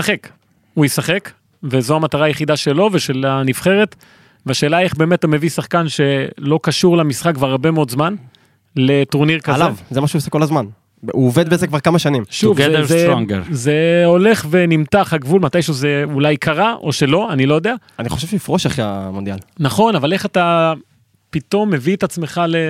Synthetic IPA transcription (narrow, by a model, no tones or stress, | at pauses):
aχek | ujesaχek | vezo̞amat̪aʁaːjeχid̪aʃe̞lo̞ve̞ʃe̞lanifχe̞ʁe̞t̪ | veaʃe̞ːlaeχbe̞ːmetume̞visaχkanʃe̞lo̞kaʃuʁlamisχak̚ːvaʁabemeo̞d̪zman | le̞t̪uʁniʁkaaaevzemaʃeuːseko̞lazman | uoved̪bezekvaʁkamaʃanimʃuvezeŋze̞o̞le̞χve̞nimt̪aχhaɡvulmat̪ajʃuzeulajkʰaʁaʔo̞ʃe̞lo̞anilo̞jod̪eaaniχoʃevʃɛifʁoʃaχia̰mond̪jalnaχo̞navale̞χat̪a | pit̪o̞mːe̞viet̪at͡sme̞χale